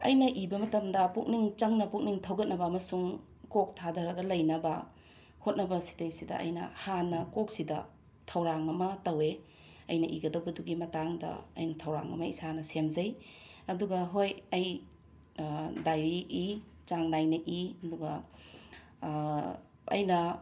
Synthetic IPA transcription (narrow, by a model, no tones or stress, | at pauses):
ɐ̰jnɐʔibɐmɐtɐmdɐpuk̚niŋt͡ʃɐŋnɐpuk̚niŋtʰɐwɡɐt̚nɐbɐːmɐsuŋ | kok̚tʰadɐɾɐɡɐlɐjnɐbɐ | hot̚nɐbɐsi̥tɐjsidɐ̰ʔɐ̰jnɐ̰hanɐkok̚sidɐ̰ | tʰɐwɾaŋɐmɐtɐwe | ɐjnɐʔiɡɐdɐwbɐduɡimɐtaŋdɐ̰ɐ̰jnɐtʰɐwɾa̰ŋɐ̰mɐisanɐsemzɐj | ɐduɡɐɦojɐj | dajɾiʔi | t͡ʃaŋnajnɐʔiɐduɡɐ | ɐ̰jnɐ